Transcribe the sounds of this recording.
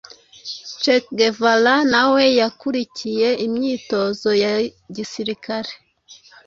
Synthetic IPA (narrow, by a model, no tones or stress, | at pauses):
t͡ʃekɡevalanawe̞jakuɾicije̞imɲiːto̞zo̞jaɟisiɾikaɾe